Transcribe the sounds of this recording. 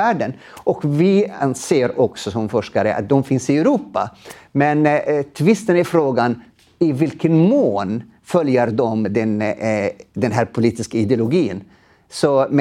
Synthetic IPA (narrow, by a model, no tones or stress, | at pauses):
æːɖənʔɔkvɪanseːɾɔksɔsɔmfɔʂkaɾə̰ʔa̰t̪̚d̪ɔmfɪnsɪɛʉɾuːpːa̰mɛnt̪ʰvɪst̪ənæɾfɾoːɡan | ɪvɪlkənmoːn | fœljəɾd̪ɔmd̪ɛn | d̪ɛnɦæːɾpʰʊliːt̪ɪskaɪd̪ɛʊlʊɡiːən | sɔm